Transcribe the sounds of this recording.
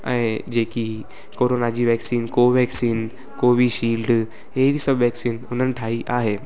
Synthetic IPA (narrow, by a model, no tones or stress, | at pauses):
ɛ̃ːd͡ʑeːki | koːɾoːnad͡ʑiːʋɛːksiːnkoːʋɛːksiːn | koːʋiʃiːlɖ | eɦɪɾisəbʋɛːksiːnʊn̤ənɪ̆ʈʰaːiʔaːɦeː